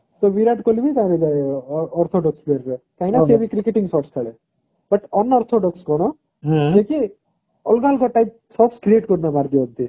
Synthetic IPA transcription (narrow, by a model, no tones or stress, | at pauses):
soʋiɾaːʈkolːibit̪ãɾed͡ʒaɔɾt̪ʰoːɖɔksbeɾɾekajnaːseʋikɾikːeʈiŋɡsɔːʈst̪ʰaɭe | bɐʈɔnːɔːɾt̪ʰoːɖɔkskɔɳ̃õ | eki | ɔlɡaːlkɔʈːɐjp̚ | sɔːʈskɾijeːʈkɔɾnamaːɾd̪iʋɐnt̪i